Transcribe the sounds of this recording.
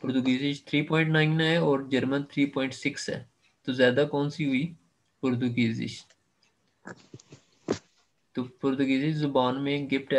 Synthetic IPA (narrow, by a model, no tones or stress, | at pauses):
pʊɾt̪ʊɡiːzɪʃt̪ʰɾiːpɔːɪ̃ɳʈnaːɪnɛɔːɾd͡ʒəɾmənt̪ʰɾiːpɔːɪ̃ɳʈsɪksɛ̰ː | t̪oːzjaːd̪aːkɔːnsiɦʊiː | pʊɾt̪uɡiːzɪ̰ʃ | t̪opʊɾt̪ʊɡiːzɪʃzʊbaːnmẽɡɪfʈɛ